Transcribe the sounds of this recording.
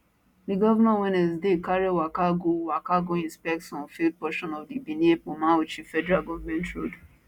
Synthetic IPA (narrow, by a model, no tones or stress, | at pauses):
diɡɔvanawɛnɛsdekaɹiwakaɡowakaɡoĩnspɛk̚tsɔ̃nfid̚pɔʃɔ̃nɔvdibiniepomãot͡ʃifɛdɛɹalɡɔvamɛ̃ntɹo̰d